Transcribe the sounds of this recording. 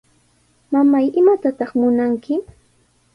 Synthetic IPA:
mamajɪmat̪at̪ɑχmʊnaŋkɪ

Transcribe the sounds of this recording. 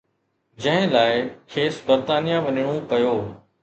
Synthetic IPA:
d͡ʑɐ̃ɦɪ̃laːɪkʰeːsbɐɾt̪aːnijãʋɐɲɪɽ̃õpɐjoː

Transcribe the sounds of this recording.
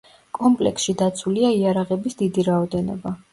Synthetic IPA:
kʼɔmpʼlɛ̰ksʃid̪at̪sʰuliaiaɾaʁɛbisd̪id̪iɾaɔd̪ɛnɔ̰ba

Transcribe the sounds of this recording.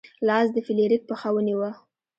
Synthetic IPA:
lɑzd̪əfɪleɾik̚pəxawəniwə

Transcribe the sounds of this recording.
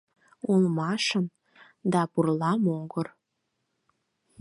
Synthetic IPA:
ulˠmɑʃə̆m | d̪ɑpurlɑmoɡə̆r

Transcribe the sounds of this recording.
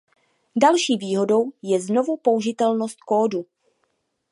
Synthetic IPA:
dalʃiːviːɦo̞do̞wjɛzno̞vupo̞uʒɪt̪ɛlno̞st̪̚koːdu

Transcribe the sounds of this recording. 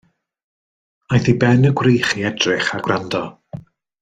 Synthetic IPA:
ajθibɛnəɡwrejχiɛdrɪχaɡrɾandɔ

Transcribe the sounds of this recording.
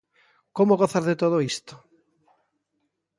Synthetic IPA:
komoɣoθazðet̪oð̞oist̪o̥

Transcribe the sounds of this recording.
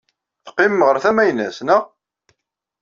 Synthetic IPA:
θqːɪmːʁəɾθæmæjnæsnə

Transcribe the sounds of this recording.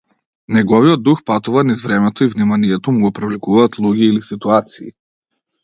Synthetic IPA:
nɛɡɔviɔd̪̚ːuxpat̪uvanizvɾɛmɛt̪ɔivnimaniɛt̪ɔmuɡɔpɾɛvlikuvaːt̪lˠuɡʲiːlisit̪uat̪sḭː

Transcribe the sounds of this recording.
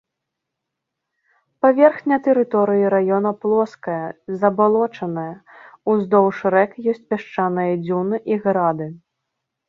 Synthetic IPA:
pavʲɛrxnʲɐt̪ɛɾɨt̪ɔɾɨjiɾajɔnɐplˠɔskɐjɐzɐbalˠɔt͡ʂɐnɐjɐuzd̪ɔwʂɾɛkjɔsʲt͡sʲpʲaʂt͡ʂanɨjɐd͡zʲunɨʔiɣɾad̪ɨ

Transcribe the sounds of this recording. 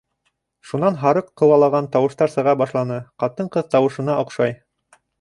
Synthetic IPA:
ʃunɑnɦɑɾɤqːɤ̆wɑlˠɑʁɑnt̪ɑwɤ̆ʃt̪ɑɾsɤ̆ʁɑbɑʃlˠɑnɤqɑt̪ɤɴqɤðt̪ɑwɤ̆ʃɤ̆nɑʔŏqʃɑj

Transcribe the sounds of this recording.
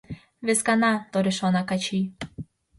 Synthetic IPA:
βeskanat̪oɾeʃonakat͡ɕi

